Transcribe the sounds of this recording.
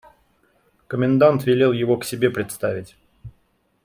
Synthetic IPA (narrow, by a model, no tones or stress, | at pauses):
kəmʲɪnd̪ant̪vʲɪlʲe̞lˠjɪvo̞ksʲɪbʲe̞pɾʲɪt̪st̪avʲɪtʲ